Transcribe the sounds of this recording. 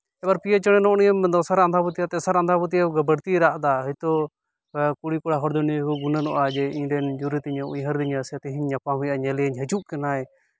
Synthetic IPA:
ɛbaɾpijət͡ʃɔɽ̃ɛnɔʔnijəmd̪ɔsaɾand̪ʱaput̪iat̪ɛsaɾand̪ʱaput̪̬ijaɡəbəɾt̪iɾaʔd̪aɦəjt̪ɔ | kuɽikɔɽaɦɔɾd̪ɔnikuɡunənɔ̰ʔad͡ʒɛiɲɖɛnd͡ʒuɾit̪iɲəujɦəɾd̪iɲast̪ɛɦiɲːapamũjaɲɛlɛjəɲɦəd͡ʒuʔkɛnaɛ

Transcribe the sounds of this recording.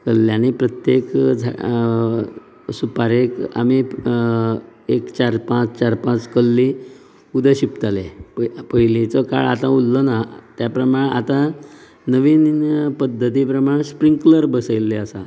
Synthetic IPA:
kəlːjãnipɾət̪jekd͡zʱa̰ | supaɾeka̰mi | ekt͡ɕaɾpãt͡st͡ɕaɾpãt͡skəlːi | ud̪əɕipt̪aleppəɦilet͡sɔka̰ɭa̰t̪ãulːɔnat̪japɾəmaɽ̃a̰t̪ã | nəʋiːnpəd̪ʱːət̪̬ip̬ɾəmaɳ̃espɾiŋkləɾbəsəjlːeəsa

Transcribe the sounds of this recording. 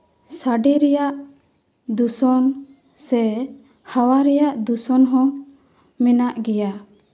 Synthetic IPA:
saɖɛɾɛjaʔ | d̪usɔn | sɛ | hawaɾɛjaʔd̪usɔnɦɔ̃ | mɛnaʔɡɛja

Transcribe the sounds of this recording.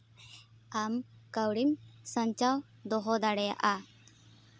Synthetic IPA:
amkəwɽimsə̃ɲt͡ʃaw | d̪ɔɦɔd̪aɽɛja̰ʔa

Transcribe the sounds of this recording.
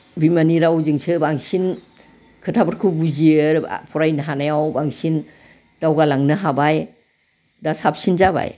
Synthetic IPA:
bimaniɾawzɯŋsʰɯbaŋsin | kʰɯtʰabaɾkʰubuziɯɾ̰pʰɔɾajnaɦanajawbaŋsin | d̥awɡalaŋnɯɦabaj | dasap̚sinzaba̰j

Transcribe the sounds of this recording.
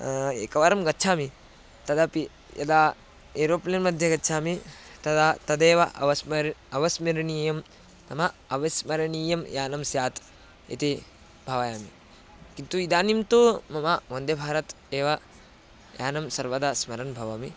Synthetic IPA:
eːkɐʋaɾɐmɡɐtːt͡ʃʰaːmi | t̪ɐd̪ɐpi | jɐ̰d̪aː | eɾoːplijɐnmɐd̪ʱjɐɡɐtːt͡ʃʰaːmit̪ɐd̪at̪ɐd̪eːʋɐʔɐ̰ʋɐsmɐɾɐʋɐsmiɾɐniːjɐm | t̪ɐmɐɐʋɐsmɐɾɐniːjɐmjaːnɐmsjaːt̪ | ḭt̪i | bʱɐʋɐjaːmḭ | kint̪uid̪aːnimt̪omɐmaʋɐnd̪ebʱaːɾɐt̪ | eːʋɐ | ja̰ːnɐmsɐɾʋɐd̪asmɐɾɐnbʱɐʋɐmi

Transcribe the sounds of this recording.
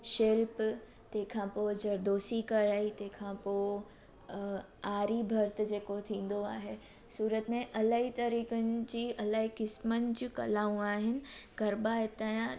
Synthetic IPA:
ʃelp | t̪ɐ̃ɦɪ̃kʰãpod͡ʑɐɾd̪oːsikɐɾaːit̪ɐ̃ɦɪ̃kʰãpoː | aːɾibʱɐɾt̪d͡ʑeːkot̪ʰĩːn̆d̪oaːɦe | suːɾət̪mẽʔɐlaːɦit̪ɐɾiːkənɪ̆d͡ʑiːɐlaːɦikɪsmənɪ̆d͡ʑukɐlaːũaːɦɪnɪ̆kɐɾbaɦɪt̪aːjã

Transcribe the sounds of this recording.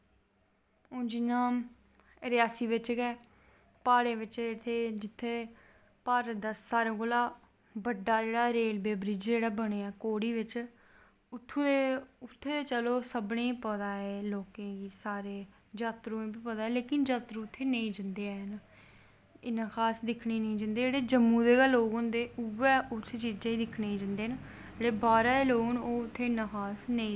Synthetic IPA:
õːd͡ʒɪnãː | ɾɪjaːsiːʋɪt͡ʃɡɛː | paːɽeːʋɪt͡ʃːt̪ʰːeːd͡ʒɪt̪ʰːeː | paːɾd̪əsːaːɾẽːkoːlaː | bəɖːaːd͡ʒeːɽaːɾeːlbeːbɾiːd͡ʒd͡ʒeːɽaːbəɽ̃eːɛːkoːɽiːʋɪt͡ʃ | ʊt̪ʰːũːd̪eʊt̪ʰːeːd̪eːt͡ʃəloːsəbnẽːiːpəd̪aːeːloːkẽːɡiːsaːɾeː | d͡ʒaːt̪ɾõːĩːbiːpəd̪aːeːleːkɪnd͡ʒaːt̪ɾõːʊt̪ʰːeːnəĩːd͡ʒənd̪eːn | ɪnːãːkʰaːsd̪ɪkʰɳiːnĩːd͡ʒənd̪eːd͡ʒeːɽeːd͡ʒəmːũːd̪eːɡəlːoːɡõːd̪eːuʋɛːʔʊst͡ʃiːd͡ʒãːiːd̪ɪkʰɳeːĩd͡ʒə̃nd̪eːn | eːɽeːbaːɾaːeːloːnoːʊt̪ʰːeːɪnãːkʰaːsnəĩː

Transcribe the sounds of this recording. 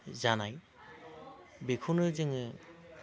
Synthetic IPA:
zanaj | bikʰunɯzɯŋɯ

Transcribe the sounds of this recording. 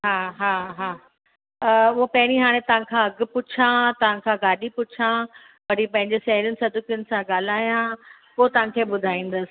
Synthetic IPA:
ɦaːɦaːɦaː | ʊɦopɐɦɪɽ̃iɦaːɽ̃ẽt̪ɐʋ̤ãkʰãɐɡ̆pʊt͡ɕʰãt̪ɐʋ̤ãkʰãːɡaːɗipʊt͡ɕʰã | ʋɐɾipɐ̃ɦɪ̃ɲd͡ʑesɐɦɾjʊnɪ̆sɐd̪ʱʊkjʊnɪ̆sãɠaːl̤aːjãpoːt̪ɐʋ̤ãkʰeːɓʊd̪ʱaːĩːn̆d̪əsɪ̥̆

